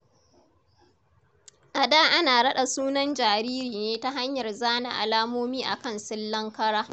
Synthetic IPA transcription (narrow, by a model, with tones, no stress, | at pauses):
ʔa˨daː˦ʔa˦naː˨ɽɐ˦ɗa˨suː˦nɐ˦nd͡ʒaː˨ɾiː˦ɾiː˨neː˦ta˦ɦa˦ɲjɐ˨rzaː˦na̰˨ʔa̰˨laː˦moː˦miː˦ʔa̰˨kɐ˦˨nsɪ˦lːɐ˦ŋkɐ˦ɽaː˦